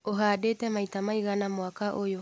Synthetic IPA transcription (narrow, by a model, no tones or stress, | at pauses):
oɦadeːtɛmaitamaiɣanamoakaʔojo